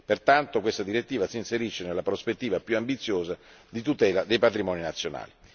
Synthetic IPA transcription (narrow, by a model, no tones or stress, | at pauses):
pert̪ant̪okwest̪ad̪iɾet̪ːiːvasiːnseɾiʃːenelːapɾospet̪ːiːvapjuambit̪sːjoːza | d̪it̪ut̪ɛːlad̪ejpat̪ɾimɔːninat̪sːjona̰ːli